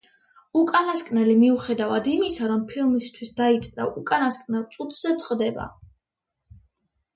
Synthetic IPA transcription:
ukʼanaskʼnɛlimiuχɛd̪avad̪imisaɾɔmpʰilˠmist̪ʰwisd̪ait̪sʼɾa̰ʔukʼanaskʼnɛlˠt̪sʼut̪ʰz̥ɛt̪sʼqʼd̪ɛba̰

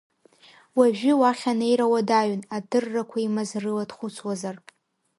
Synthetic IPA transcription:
waʒᶣɪwaχʲanejɾawadaɥnadɨrːakʷʰaimazrɨladχʷʊt͡sʰwazar

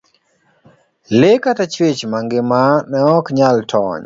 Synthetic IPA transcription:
lekatat͡ʃwet͡ʃmaŋɡɪmanɛɔkɲaltʰɔ̰ɲ

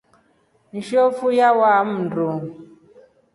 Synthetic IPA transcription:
n̩ʃofujawam̩du

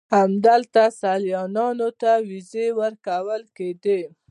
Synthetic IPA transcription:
hamd̪əlt̪asaljɑnɑnot̪awizewəɾkawəlked̪e

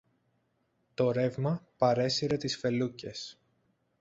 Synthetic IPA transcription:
t̪o̞ɾe̞vmɐpɐɾe̞siɾe̞t̪isfe̞luce̞s

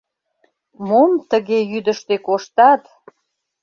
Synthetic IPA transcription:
momt̪əɣejyd̪əʃt̪ekoʃt̪ɑt̪

